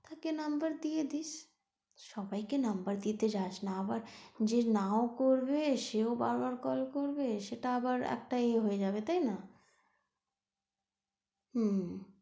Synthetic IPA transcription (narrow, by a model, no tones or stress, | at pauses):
t̪akenɐmbəɾd̪ied̪iːt͡ʃ | ʃɔbaikenɐmbəɾd̪it̪ed͡ʑat͡ʃnaɐbaɾd͡ʒenaokoɾbeʃeobaɾbaɾkɔlkoɾbeʃeʈaɐbaɾɛ̰k̚ʈaeɦoed͡ʒaːbet̪aɦina | ɦ